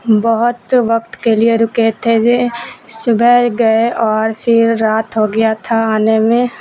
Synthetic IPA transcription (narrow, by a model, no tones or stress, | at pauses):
bəɦʊt̪ʋɐkt̪kelieɾʊket̪ʰed͡ʒesʊbʱɛɡɐeʔɔːɾpʰɪɾːaːt̪ɦoɡɐjat̪ʰaaːnemẽ